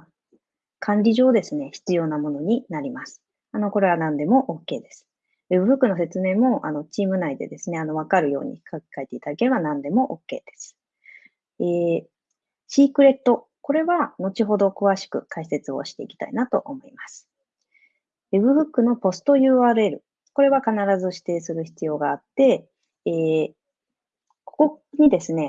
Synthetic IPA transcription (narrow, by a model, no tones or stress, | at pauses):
kʰãɲɾʲiʑo̞ːd̪e̞sɨne̞çi̥t͡sɨjo̞ːnamo̞no̞ɲ̟inaɾʲimasɨ̥ | ano̞ko̞ɾe̞β̞anãnd̪e̞mo̞ʔokːe̞ːd̪e̞sɨ̥ | βe̞bɯ̟bɯ̟kːɯ̟no̞se̞t͡sɨme̞ːmo̞ʔano̞t͡ɕiːmɯ̟naid̪e̞̰d̪e̞sɨne̞ano̞β̞akaɾɯ̟jo̞̰ːɲ̟ḭkake̥kae̞t̪e̞it̪ad̪ake̞ɾe̞banãnd̪e̞mo̞ʔokːe̞̰ːd̪̥e̞̥sɨ̥ | eː | ɕiːkɯ̟ɾe̞t̪ːo̞ | ko̞ɾe̞βano̞t͡ɕiɦo̞d̪o̞kɯ̟βaɕi̥kɯ̟kaise̞t͡sɨo̞̰ɕi̥t̪e̞ikʲi̥t̪a̰inat̪o̞̰ʔomo̞imasɨ̥ | ebɯ̟bɯ̟kːɯ̟no̞po̞sɨ̥t̪o̞jɯ̟ːaːɾɯ̟e̞ɾɯ̟̰ | ko̞ɾe̞βakanaɾazɨɕi̥t̪e̞ːsɨɾɯ̟çi̥t͡sɨjo̞ːɡaːt̪ːe̞ | eː | ko̞̥ko̞ɲ̟id̪e̞sɨne̞